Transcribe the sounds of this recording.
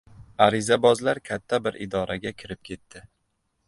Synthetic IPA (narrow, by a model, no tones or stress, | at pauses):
aɾɪzabɒzlaɾkʲʰat̪ʰːabɪɾʔɪ̰d̪ɒɾʔaɡʲakʲʰɪɾɪp̚kʲʰe̞t̪ʰːɪ